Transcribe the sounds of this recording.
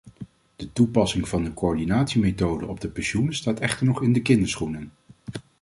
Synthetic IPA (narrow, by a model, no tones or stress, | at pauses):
d̥ətupɑsɪŋv̥ɑndəkoɔɹdinaːtsimetowdə̰ʔɔb̚dəpɛnʃunəstaːtɛχtəɹnɔχɪndəkɪndəɹsχunən